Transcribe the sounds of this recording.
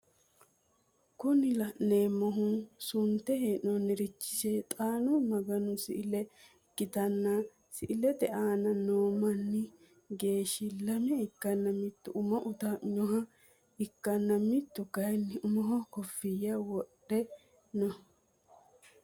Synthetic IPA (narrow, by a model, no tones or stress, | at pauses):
kʊnɪlɐneːmɔɦusʊnt̪ɛheːʔɔnɪɾɪt͡ʃːɪ̥seːt̪ʼaːnʊmɐɡɐnʊsɪ̰ʔɪlɛ | ɡ̥ɪt̪ɐnːɐ | sɪʔɪlɛd̪ɛʔaːnɐnoːmɐnːɪ | ɡe̞ːʃɪlɐmɛɪkːɐnːɐmɪt̪ːʊʔʊmɐʔʊt̪aɲɔɦɐ | ɪkːɐnːɐmɪt̪ːʊkɐjnːɪʔʊmɔɦɔkɔfːɪjawɔɗɛ | nɔ